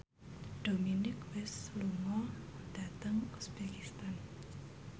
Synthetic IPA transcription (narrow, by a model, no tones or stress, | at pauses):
ɖ̥ominɪkwɪsluŋɔd̥at̪əŋusbɛkist̪an